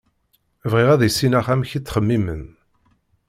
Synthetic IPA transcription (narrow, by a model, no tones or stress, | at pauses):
vʁiʁæðisːinæχæmçit͡sːχəmːimə̰n